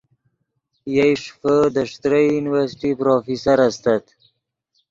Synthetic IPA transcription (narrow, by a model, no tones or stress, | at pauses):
jajʂfəd̪əʂt̪ɾəjjuniwaɾsʈipɾofisaɾast̪at̪